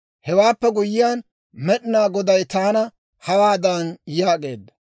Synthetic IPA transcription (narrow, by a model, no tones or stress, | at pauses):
hɛwaːpːɛɡʊjɪjaːn | mɛɗɪnaːɡɔd̪ɐjt̪aːnɐ | hɐwaːd̪ɐːnjaːɡe̞ːd̪ːɐ